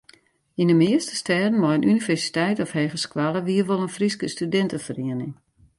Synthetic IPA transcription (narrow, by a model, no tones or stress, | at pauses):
indəmɪəstə̥stɛːdən̩mɔjənʔynivɛrsi̥tɛjtɔfhɛːɣəskwalˠəʋiərʋolˠənfriskəstydɛntəfəriənɪŋ